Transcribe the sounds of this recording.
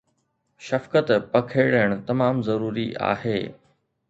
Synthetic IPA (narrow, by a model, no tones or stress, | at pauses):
ʃɐfkət̪pɐkʰeːɽəɽ̃t̪ɐmaːmzɐɾuːɾiʔa̰ːɦeː